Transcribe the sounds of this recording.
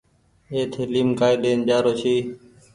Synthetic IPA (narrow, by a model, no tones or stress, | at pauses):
eːt̪ʰɪliːmkaːiːɗeːnʄaːɾoːt͡ʃiː